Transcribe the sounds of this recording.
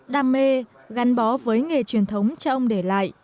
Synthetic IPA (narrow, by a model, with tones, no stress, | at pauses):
ɗaː˧˩mːe˧ | ɣa˨˦nɓɔ˨˦vəː˨˦jŋe˨˩t͡ɕwi˨˩ənt̪ʰə˨˦wŋ͡mt͡ɕɔ˧ʔə˧wŋ͡mɗe˧˩la̰ː˧˨jʔ